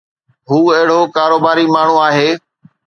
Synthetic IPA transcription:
ɦuːɐɦɪɽ̤oːkaːɾoːbaːɾiːmaːɳ̤ũːaːɦeː

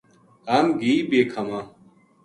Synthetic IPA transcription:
amɡiːbekʰɐma

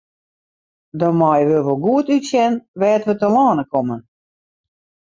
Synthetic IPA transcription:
dɔmɔjʋøʋolˠɡuətytsjɛnʋɛːtʋətəlaːnəkɔmə

